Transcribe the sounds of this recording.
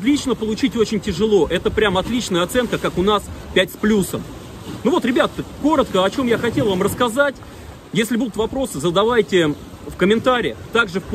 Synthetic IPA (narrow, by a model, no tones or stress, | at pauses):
zlʲit͡ɕnəpəlˠʊt͡ɕitʲo̞t͡ɕɪnʲtʲɪʐɨlˠo̞ʔɛt̪əpɾʲamɐt̪lʲit͡ɕnəjəɐt̪sɛnkəkakʊnaspʲætʲsplʲusəm | nuvo̞t̪ɾʲɪbʲat̪t̪əkko̞ɾət̪kəɐt͡ɕo̞mjaxɐtʲe̞lˠvamrəskɐzatʲ | jesʲlʲɪbud̪ʊt̪vɐpɾo̞sɨzəd̪ɐvajtʲɪ | fkəmʲɪnt̪aɾʲɪɪt̪aɡʐɨf